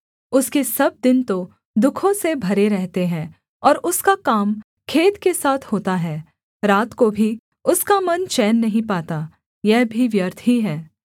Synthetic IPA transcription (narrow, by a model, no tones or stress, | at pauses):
ʊskesɐb̚d̪ɪnt̪o | d̪ʊkʰõsebʱɐɾeɾɛɦt̪eɦɛ̃ː | ɔːɾʊskakaːm | kʰeːt̪kesaːt̪ʰhoːt̪aɦɛː | ɾaːt̪kobʱi | ʊskamɐnt͡ʃɛːnːɐɦĩpaːt̪a | jɛɦbʱiʋjɐɾt̪ʰɦiɦɛː